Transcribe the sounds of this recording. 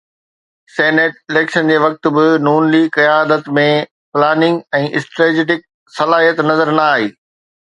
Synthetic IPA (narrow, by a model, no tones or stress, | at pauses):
seːneːʈɪleːkʃənd͡ʑeːʋɐk̚t̪ʊ̆bɪnuːnliːɡkɐjaːd̪ət̪mẽ | plaːnɪ̃ŋɡɛ̃ːʔɪsʈɾeːd͡ʑeːʈɪk̚ | sɐlaːɦijət̪nɐzəɾnɐaːɦeː